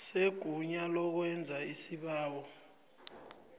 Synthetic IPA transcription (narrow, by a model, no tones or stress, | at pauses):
seɡ̥ʱuɲalɔk̬wɛnd͡zʱaisiɓaːwɔ